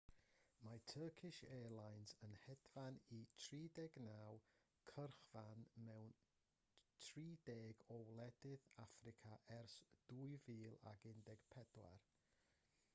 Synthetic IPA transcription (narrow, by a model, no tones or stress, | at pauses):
matʰəːkʰɪʃɛːlˠajnzənhɛdvanitʰriːdɛɡnaːw | kʰərχv̥anmɛwn | tʰriːdeːɡɔwlˠɛdɪðafrɪkʰaʔɛrsd̥uːjviːlˠa̰ɡɪndɛɡ̥pʰɛd̥wa̰r